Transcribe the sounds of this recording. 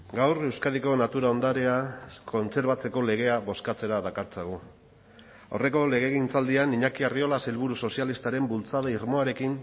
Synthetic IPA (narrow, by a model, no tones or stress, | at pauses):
ɡawɾe̞wskað̞iko̞nat̪uɾao̞nd̪aɾeako̞nt͡se̞ɾβat͡se̞ko̞le̞ɣ̞e̞aβo̞skat͡se̞ɾaðakaɾt͡seɣ̞u | ore̞ko̞le̞ɣ̞e̞ɣint͡sald̪ianiɲakiario̞laselβuɾuso̞sialist̪aɾe̞mbult͡saðoiɾmo̞aɾe̞kin